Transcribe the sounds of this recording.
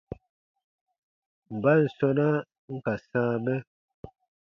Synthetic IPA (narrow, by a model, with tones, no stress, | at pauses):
m̩˨ba˦n̩˨sɔ˦na˦ | ŋ̩˦ka˨sãː˦bɛ˦